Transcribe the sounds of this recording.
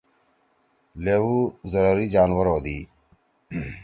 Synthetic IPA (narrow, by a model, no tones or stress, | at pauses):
leːʋuːzəɾəɾiːd͡ʒaːnʋəɾoːd̪iː